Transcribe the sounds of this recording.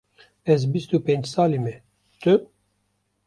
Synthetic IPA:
ɛzbist̪upẽnd͡ʒsɑːlimɛ | t̪ɨ

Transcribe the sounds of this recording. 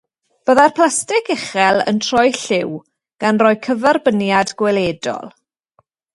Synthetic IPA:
b̥əðarpʰl̥ˠastɪkɛχɛlˠə̰ntʰrɔjɬɪw | ɡ̥anrɔjkʰəvɛrbənjadɡwɛleːdɔ̰lˠ

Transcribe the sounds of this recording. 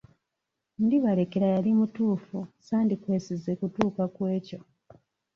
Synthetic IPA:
ndiβale̞keɾajalimutuːfusaːndikwe̞ːsizekutuːkakwe̞ːco̞

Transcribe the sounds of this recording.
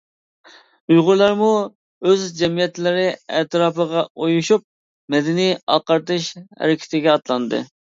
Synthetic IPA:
ujʁʊɾlˠɑɾmu | øzd͡ʒɛmijɛt̪lɪɾɪɛt̪ɾɑːpəʁɑojuʃup̚ | mɛd̪ɪnijɑ̰qɑɾt̪ɨʃhɛ̰ɾɪkʲɪ̥t̪ʰɪɡʲɛɑt̪lˠɑnd̪ɨ̰

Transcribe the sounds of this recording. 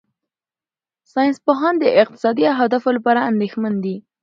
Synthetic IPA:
sɑjɪnspoɦɑnd̪əʔɪq̚t̪ɪ̥sɑd̪iaɦad̪afolapɑɾaand̪exmand̪i

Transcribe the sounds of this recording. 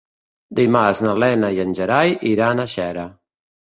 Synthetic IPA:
d̪imaznəlɛnəjənʲʒəɾajʔiɾanəʃɛɾə

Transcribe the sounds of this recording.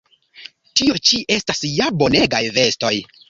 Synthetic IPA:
tio̞t͡ʃiʔe̞stasjabo̞ne̞ɡajve̞sto̞j

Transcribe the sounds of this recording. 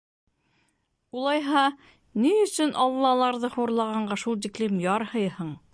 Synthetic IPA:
ulˠɑjɦɑ | niɵ̆sɵnʔɑlˠːɑlˠɑɾðɤhuɾlˠɑʁɑɴɢɑʃulˠt̪̬iklimjɑɾhɤjhɤɴ

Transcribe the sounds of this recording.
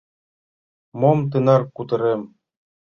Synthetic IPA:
momt̪̬ɤnɑrkut̪ɤ̆ɾem

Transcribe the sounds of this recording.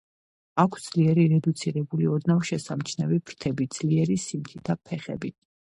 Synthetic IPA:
akʷʰsd̪z̥liɛɾiɾɛd̪ut̪sʰiɾɛbuliɔd̪navʃɛsamt͡ʃʰnɛvibʰɾt̪ʰɛbid̪z̥liɛɾisimk̪ʰit̪ʰapʰɛχɛ̰bi

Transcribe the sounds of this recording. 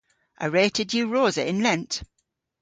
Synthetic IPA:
ʔə̰ɹeɪtʰədjʉːɹoːzəɪ̃nlɛ̃nt

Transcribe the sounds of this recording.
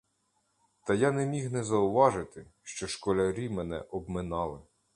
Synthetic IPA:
t̪ɐjanɛmʲixnɛzɐʊʋɑʒɪt̪ɪʃt͡ʃɔʃkɔlʲɐɾʲimɛnɛ̰ʔɔbmɪnɑlˠɪ

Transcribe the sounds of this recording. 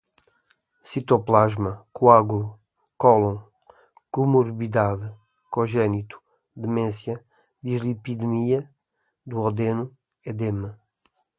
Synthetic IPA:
sit̪oplaʒmɐkuaɣulu | kɔlõ | kumuɾβidaðɨ | koʒɛnit̪u̥ | d̪ɨmẽnsjɐ | d̪izlipiðmiɐ | d̪uɔd̪enu | ɛd̪emɐ

